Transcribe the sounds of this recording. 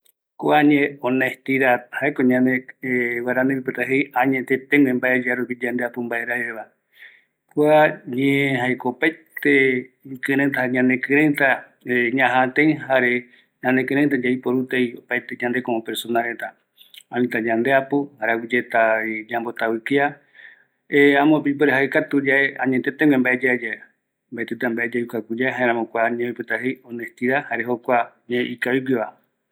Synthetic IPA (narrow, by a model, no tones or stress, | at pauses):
koaɲẽõneht̪iɾahaekoɲãnewaɾanẽpipet̪aɦejãɲet̪et̪eŋẽmbaʔe̞d͡ʒaɾupid͡ʒand̪eapumbaʔeɾaɾeβa | kʷaɲeɦaekopajt̪ekɨ̃ɾẽnt̪aaɲãnẽkɨ̃ɾẽnt̪a | ɲãɦãt̪eĩhaɾe | ɲãnekɨ̃ɾẽnt̪ad͡ʒaipoɾut̪ejopaet̪eɲãnd̪ekoõpeɾsonaɾet̪a | anĩt̪ad͡ʒãnd̪eapuhaɾawid͡ʒet̪ad͡ʒambo̞t̪awikea | eãmõpip̬eɾeɦaikat̪ud͡ʒaʔeãɲet̪et̪ẽŋwẽmbaʔed͡ʒaed͡ʒae | mbaet̪et̪ambaʔed͡ʒaukakʷud͡ʒaeɦãẽɾ̃ãmõkʷaaɲẽopet̪aɦejõnest̪iɾahaɾeɦokʷaɲeʔikawiɡiʋa